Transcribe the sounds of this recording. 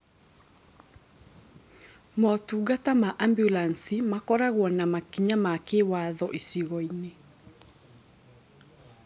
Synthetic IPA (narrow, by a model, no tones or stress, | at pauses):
mɔtuːɣatamaʔambjulansimakɔɾaɣwɔnamakiɲamakewaðɔʔisiɣɔine